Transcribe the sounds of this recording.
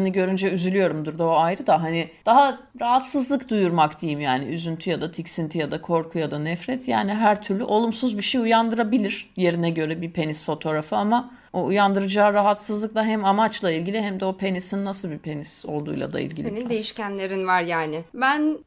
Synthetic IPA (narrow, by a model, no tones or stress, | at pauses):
niɟø̞ɾynd͡ʒɛyzylʲyjo̞ɾumd̪uɾd̪ooajɾɯd̪aɦanɪd̪̥aɦa | ɾaɦat̪sɯzlˠɯkd̪ujuɾmakt̪ʰejimjaːnɪyzynt̪ʰyjad̪at̪ʰicsint̪ʰijad̪akʰo̞ɾkʰujad̪anɛfɾɛt̪ʰja̰ːnɪɦæɾt̪ʰyɾlʲyʔo̞lˠumsuzbiʃejujand̪ɯɾabilʲiɾ̥je̞ɾinɛɟø̞ɾɛbipʰe̞nisfo̞t̪ʰo̞ɾafɯama | oujand̪ɯɾɯd͡ʒaːɾaɦat̪sɯzlˠɯkd̪aɦɛmamat͡ʃlˠailʲɟilʲiɦɛmd̪ɛo̞pʰe̞nisinːasɯlˠbipʰe̞niso̞̰lˠd̪ṵjlˠa̰d̪a̰ḭlʲɟilʲinid̪ejiʃcænlʲe̞ɾinvaɾjaːnɪbæn